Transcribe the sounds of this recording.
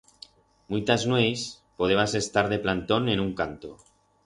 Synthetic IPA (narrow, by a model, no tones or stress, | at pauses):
mujt̪aznwejs | poð̞eβase̞st̪aɾðe̞plant̪o̞ne̞nuŋkant̪o